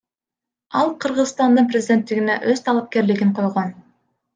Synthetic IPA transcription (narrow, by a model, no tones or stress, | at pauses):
ɑlˠqʰɯɾʁɯzst̪ɑnd̪ɯnprʲɪzʲd̪ʲe̞nt̪ːiɡinḛʔøzt̪ʰɑlˠɑp̚ke̞ɾlɪɡiɴqʰo̞jʁon